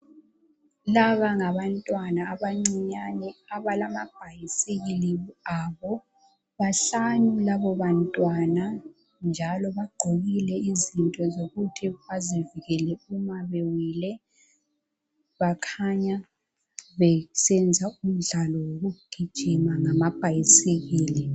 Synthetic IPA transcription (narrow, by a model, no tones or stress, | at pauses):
laβaŋaβantʼwanaːβaŋ͡ǀiɲanɛaβalamab̥ʱajiseɣiliaβɔ | βaɬanulaβɔβantʼwana | nd͡ʒʱalɔβaɡ͡ǃʱoɣilɛizintʼɔzoɣutʰiβaziviɣɛlɛumaβewiːlɛ | βakʰaɲa | βɛsɛnd͡zʱaum̩ɮalɔwoɣuɡ̥ʱi̥ʒ̥ʱimaŋamab̥ʱajisik̬iːli